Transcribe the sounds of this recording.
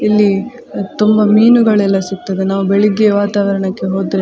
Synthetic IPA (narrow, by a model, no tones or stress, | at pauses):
ilːi | t̪umbɐmiːnuɡɐɭɛlːɐsuk̚t̪ɐd̪enaːʋubeɭiɡeʋaːt̪aːʋɐɾɐɳɐkːe̞ɦoːd̪ɾe